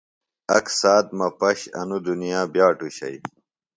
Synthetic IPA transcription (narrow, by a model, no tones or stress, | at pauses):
ɐksaːt̪̚mɐpɐɕɐ̰nud̪unijaːbjaːʈuɕɐ̰j